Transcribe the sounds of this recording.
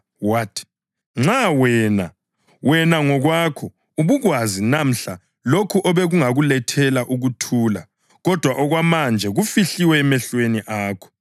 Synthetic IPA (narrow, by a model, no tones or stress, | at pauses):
watʰi̥ | ŋ͡ǁawɛːna | wɛnaŋɔɣwakʰɔ | uβuɣwazinam̩ɬa | lokʰuʔɔβɛɣuŋaɣulɛtʰɛlaʔuɣutʰuːla̰ | ɣɔd̥ʱwaʔɔɣwamand͡ʒʱɛɣufiɬiwɛːmɛɬweniʔaːkʰɔ̥